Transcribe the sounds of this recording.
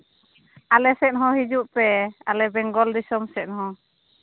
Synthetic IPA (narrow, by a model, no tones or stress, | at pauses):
alɛsɛt̪̚ɦɔ̃ɦid͡ʒuʔpɛalɛbɛŋɡɔld̪isɔmsɛt̪̚ˀɦɔ̃